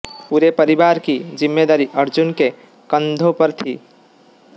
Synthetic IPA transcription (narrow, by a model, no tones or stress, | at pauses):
puɾepəɾibaɾkid͡ʒimːed̪aɾiʔəɾd͡ʒunke | kənd̪ʱopəɾt̪ʰi